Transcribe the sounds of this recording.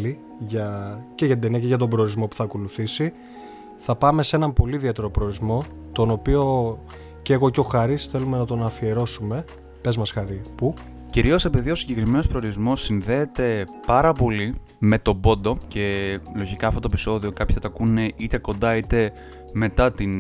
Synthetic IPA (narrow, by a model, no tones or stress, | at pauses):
li | ʝɐceʝɐt̪ind̪eniɐceʝɐt̪̬o̞mbɾe̞oɾizmo̞pu̥θɐko̞luθisi | θɐpɐme̞se̞nɐmpo̞liðiet̪e̞ɾo̞pɾeɾizmo̞ | t̪o̞no̞pio̞ | ceːɣoceo̞xɐɾisθe̞lume̞nɐt̪o̞nɐfie̞ɾo̞sume̞ | pe̞zmɐsxɐɾipu | ciɾio̞se̞piðio̞siɲɟe̞kɾimenospɾeo̞ɾizmo̞sːinðe̞ːt̪e̞pɐɾɐpo̞li | me̞t̪o̞bo̞nd̪o̞ce̞lo̞ʝikɐɐft̪ot̪epi̥so̞ðio̞kɐpçi̥t̪ɐt̪ɐkune̞ʔit̪e̞ko̞nd̪ɐit̪e̞ | me̞t̪ɐt̪in